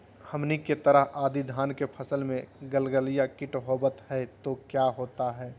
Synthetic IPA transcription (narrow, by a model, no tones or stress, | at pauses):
həmniket̪əɾəɦaːd̪id̪ʱaːnkepʰəsəlmẽɡəlɡəlijakɪʈɦoːbət̪ɦɛt̪okjaɦoːt̪aɦɛː